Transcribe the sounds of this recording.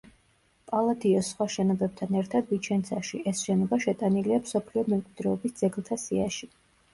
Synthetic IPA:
pʼalˠad̪iɔsːχwaʃɛnɔbɛb̚t̪ʰanɛɾt̪ʰad̪vit͡ʃʰɛnt̪sʰaʃiʔɛsʃɛnɔbaʃɛt̪ʼaniliamsɔpʰliɔmɛmkʼwid̪ɾɛɔbisd̪z̥ɛɡlˠt̪ʰasiaʃi

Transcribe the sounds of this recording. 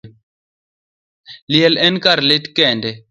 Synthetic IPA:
liɛlɛnkaɾletkɛndɛ

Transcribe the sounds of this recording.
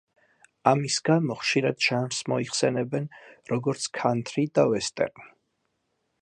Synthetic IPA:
amisɡamɔχʃiɾad̪ʒanɾsmɔiχsɛnɛbɛnɾɔɡɔɾt̪sʰkʰant̪ʰɾid̪avɛst̪ʼɛ̰ɾmi

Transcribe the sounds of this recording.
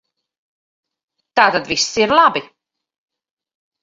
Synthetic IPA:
t̪aːt̪ad̪visːiɾlˠabi

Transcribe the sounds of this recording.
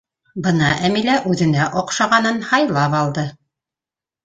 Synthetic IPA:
bɤnɑʔæmilæʔʉðɘ̆næʔoqʃɑʁɑnɤnhɑjlˠɑpɑlˠd̪ɤ

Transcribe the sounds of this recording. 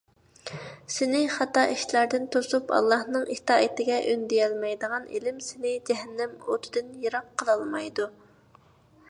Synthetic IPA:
sɪnɪχɑt̪ɑʔiʃlæɾd̪ɪnt̪ʰosupʰɑ̰lˠːɑhnɨŋʔiht̪ɑːit̪ɪɡʲɛʔynd̪ijɛlmɛjd̪əʁɑnḛlɪmsɪnɪd͡ʒɛɦɛnːɪmot̪ʰɪd̪ɪnjeɾɑqʰːəlˠɑlˠmɑjd̪u

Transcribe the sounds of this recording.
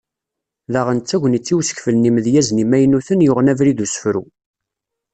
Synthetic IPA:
ðəʁənt͡s̪ːæʝʷənit͡sːiwsə̥kfəlnimðjæznimæjnuθənjʊʁənævɾid̪usə̥fɾṵ

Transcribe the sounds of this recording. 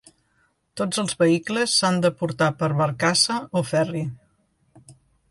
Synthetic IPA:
t̪od͡zəlˠzβəikləsːand̪əpuɾt̪apəɾβəɾkasəofɛri

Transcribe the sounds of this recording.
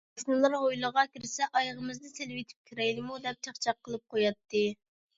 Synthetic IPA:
snɨlˠɑɾɦojlˠəʁɑkʲiɾɪsɛʔɑjʁəmɨzd̪ɨselwet̪ʰɪ̥p̚kʲʰiɾɛjlɪmud̪ɛp̚t͡ʃʰɑχt͡ʃʰɑqʰːəlˠɨp̚qʰojɑt̪ːɨ

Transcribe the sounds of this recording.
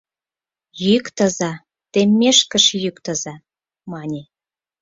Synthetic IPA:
jykt̪əzɑ | t̪emʲːeʃkəʃjykt̪ə̆zɑ | mɑnʲe

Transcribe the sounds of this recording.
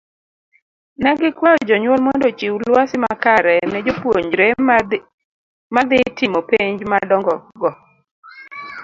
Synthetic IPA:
nɛɡɪkwaɔd͡ʒɔɲwɔlmondot͡ʃiwlwasɪmakaɾɛnɛd͡ʒopwoɲd͡ʒɾɛ | mad̪ɪtɪmopeɲd͡ʒmadɔŋɡɔɡɔ

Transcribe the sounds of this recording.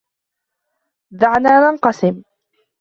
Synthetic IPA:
ðaʕnaːnanqɑsɪm

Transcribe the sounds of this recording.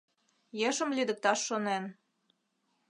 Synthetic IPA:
jeʃə̆mlyd̪ə̆k̚t̪ɑʃːonen

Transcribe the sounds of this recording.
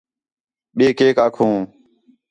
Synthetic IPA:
ɓeːkeːkaːkʰũː

